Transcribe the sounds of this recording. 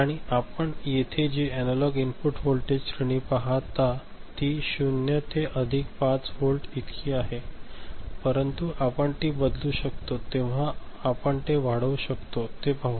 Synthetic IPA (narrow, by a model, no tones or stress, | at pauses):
aɽ̃iapəɳjet̪ʰed͡ʑiɛnalɔɡinpuʈfolʈed͡ʑɕɾəɳ̃iːpaɦat̪ːa | t̪iːɕunjət̪ʰeʔəd̪ʱikpat͡sfolʈit̪kʰiːaɦe | pəɾənt̪uʔapəɳt̪iːbəd̪luːɕəkt̪ot̪eʋ̤aː | pəɳt̪eʋaɽəuɕəkt̪ot̪epau